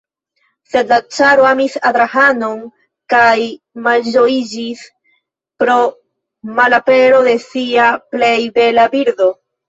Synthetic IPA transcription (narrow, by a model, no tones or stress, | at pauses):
se̞dat͡ʃaɾoamisad̪ɾahano̞n | kaj | mand͡ʒo̞id͡ʒis | pɾo̞ | malape̞ɾo̞d̪e̞siaple̞jbe̞labiɾd̪o̞